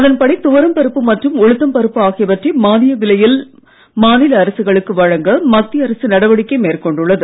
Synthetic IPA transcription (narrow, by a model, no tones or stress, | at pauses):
ɐðɐnpɐɽɐɪt̪ːʊʋɐɾɐmpɐɾɯpːɯmɐʈrɯmɔɻɯt̪ːɐmpɐɾɯpːɯaːɣɪjɐʋɐʈrimaːnɪjɐʋɪlɐjɪl | maːnɪlɐːɾɐsɯɣɐɭɯkːɯʋɐɻɐŋɡɐmɐt̪ːiɐɾɐsɯnɐɽɐʋɐɽɪkːɐɪmeːrkɔɳɖɯɭːɐðɯ